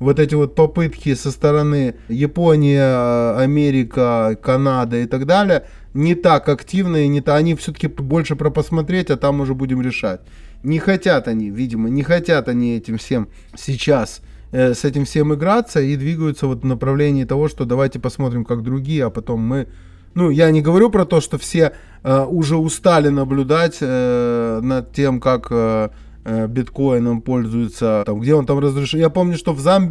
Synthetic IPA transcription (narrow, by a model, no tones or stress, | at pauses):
vo̞t̪ɛtʲɪvo̞t̪̚pɐpɨt̪kʲɪsəst̪əɾɐnɨjɪponʲɪjəɐmʲeɾʲɪkəkɐnad̪əɪt̪ɐɡd̪alʲɪjə | nʲɪt̪akɐktʲivnəinʲɪt̪aɐnʲifsʲɵt̪ə̥kʲɪbo̞lʲʂɨpɾəpəsmɐt̪ɾʲetʲɐt̪amʊʐɛbudʲɪmɾʲɪʂa̰tʲ | nʲɪxɐtʲat̪ɐnʲivʲidʲɪmənʲɪxɐtʲat̪ɐnʲiɛtʲɪmfsʲem | sʲɪt͡ɕas | əsɛtʲɪmfsʲe̞mɨɡɾat̪səid̪vʲiɡəjʊt̪səvo̞t̪vnəpɾɐvlʲenʲɪːt̪ɐvo̞ʂt̪o̞d̪ɐvajtʲɪpɐsmo̞t̪ɾʲɪmkaɡ̚d̪ɾʊɡʲijəɐpɐt̪o̞mːɨ | nujanʲɪɡəvɐɾʲupɾɐt̪o̞ʂt̪o̞fsʲe̞ | əʊʐɛʊst̪alʲɪnəblʲʊd̪atʲənɐd̪̚tʲemkakə | bʲɪt̪ko̞jɪnəmpo̞lʲzʊjɪt̪sət̪amɡdʲeo̞nt̪amrəzɾʲɪʂjapo̞mnʲʊʂt̪o̞vzamʲ